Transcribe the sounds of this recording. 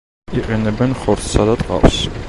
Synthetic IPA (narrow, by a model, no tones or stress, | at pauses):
iqʼɛnɛbɛnχɔɾt̪ʰsad̪at̪ʼqʼɑ̰ws